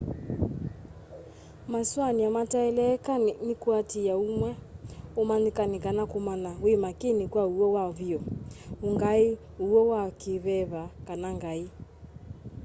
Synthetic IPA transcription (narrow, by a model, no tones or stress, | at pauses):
maswaniamataɛlɛkaninikuatijaumwɛɔmanikanikanakumanawimakinikwauɔwaβiɔuŋɡai | uɔwakiβɛβakanaŋɡai